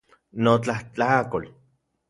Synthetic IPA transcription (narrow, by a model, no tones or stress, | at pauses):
not͡ɬaht͡ɬakol